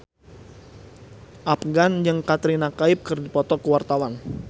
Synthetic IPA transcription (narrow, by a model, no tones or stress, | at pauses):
ʔap̚ɡand͡ʒəŋkat̪ɾinakaɪp̚kɨrdipɔt̪ɔkəwart̪awan